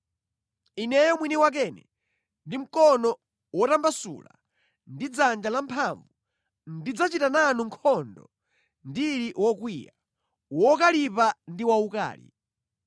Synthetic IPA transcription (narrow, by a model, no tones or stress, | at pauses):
inɛjɔmwiniwak̬ɛnɛ̰ | ndim̩kɔnɔ | wɔtambasṵla̰ | ndid͡zand͡ʒalampʰaɱvu | ndid͡zat͡ʃitananuŋkʰɔndɔ̰ | ndiɾiwɔkwiːja | wɔkalipandiwauka̰ːlḭ